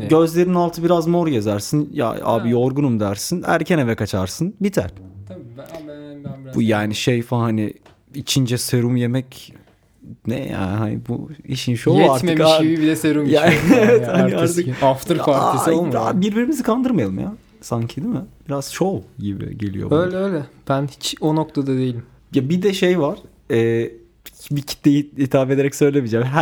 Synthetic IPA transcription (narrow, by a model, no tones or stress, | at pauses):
ɟø̞zlʲe̞ɾinnalˠt̪ʰɯbiɾazmo̞ɾjazaɾsɯnja̰a̰ːbijo̞ɾɡunumd̪æɾsinæ̰ɾcʰɛnevɛkat͡ʃʰaɾsɯnbit̪ʰæ̰ɾ̥ | bujaːniʃejfahanḭ | it͡ʃʰind͡ʒɛseɾumjemɛc | nɛ̰ja̰ːnhanḭbṵiʃinʃojaɾtmɯmkaʃibibilʲɛseɾumjaːevɛt̪haniaɾt̪ʰɯkaft̪ʰɯɾfaɾk̪olmabiɾbiɾimizikʰand̪ɯɾmajalˠɯmja̰ | saɲcʰid̪imɪbiɾaz̥ʃoɟibɪ̰ɟe̞lḭjobøjlʲɛøjlʲɛb̥ænhi̥t͡ʃo̞nok̚t̪ʰad̪ad̪e̞jilʲim | jabid̪ɛʃejvaɾ̥ | ɛː | bicʰi̥t̪lejiit̪ʰaːbe̞d̪eɾɛcsø̞jlʲemid͡ʒɛmɦæ